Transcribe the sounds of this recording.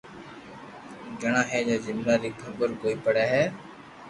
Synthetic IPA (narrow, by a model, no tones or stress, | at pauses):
d͡ʒəɳãːɦɛːd͡ʒaːzɪmnaːɾiːkʰəbəɾkoːiːpəɽaːɦɛː